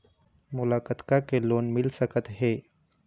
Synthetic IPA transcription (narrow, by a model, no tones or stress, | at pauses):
mʊlaːkət̪kakeloːnmɪlsəkət̪ɦeː